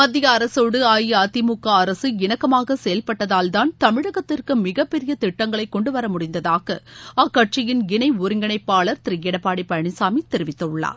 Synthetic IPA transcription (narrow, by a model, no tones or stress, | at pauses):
mɐd̪ːɪjɐːɾɐsoːɽɯaːjiaːt̪ːɪmʊkːaɐɾɐsɯɪnɐkːɐmaːɣɐsɛjɐlpɐʈːɐðaːld̪aːnt̪ɐmɪɻɐɣɐt̪ːɪrkɯmɪɣɐpːɛɾɪjɐt̪ɪʈːɐŋɡɐɭɐɪkːɔɳɖɯʋɐɾɐmʊɽɪnd̪ɐðaːɣɐaːkːɐʈt͡ʃɪjɪnɡɪnɐɪʊɾɪŋɡɐɳɐɪpːaːɭɐɾt̪ɪɾɪjɛɽɐpːaːɽipɐɳɪsaːmit̪ɛɾɪʋɪt̪ːɐɯɭːa̰ː